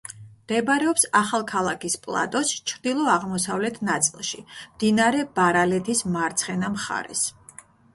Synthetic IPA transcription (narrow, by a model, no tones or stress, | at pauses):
md̪̥ɛbɾɛɔpsaχalˠkʰalˠakʰispʼlˠa̰t̪ʼɔst͡ʃʰɾd̪ilˠɔaʁmɔsavlɛt̪ʰnat̪sʼilˠʃimd̪̥inaɾɛbaɾalɛt̪ʰismaɾt̪sʰχɛnamχa̰ɾɛ̰s